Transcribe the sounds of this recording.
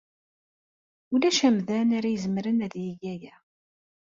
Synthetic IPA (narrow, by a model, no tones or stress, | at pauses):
ʊlæʃæmðænaɾæjəzmɾənæðjiʝæjæ